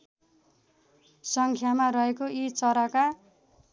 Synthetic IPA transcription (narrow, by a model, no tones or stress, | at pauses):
sʌŋkʰjamarʌɦekoit͡sʌɾaka